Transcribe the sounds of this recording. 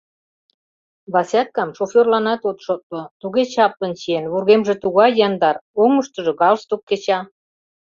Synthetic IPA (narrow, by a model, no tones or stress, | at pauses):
βɑsʲæt̪̚kɑmʃofʲorlɑnɑt̪ot̪ʃot̪̚lŏt̪uɣet͡ɕɑp̚lə̆nt͡ɕienβurɣemʒĕt̪uɣɑjːɑnd̪ɑroŋəʃt̪ɤ̆ʒɤ̆ɣɑlst̪okːet͡ɕɑ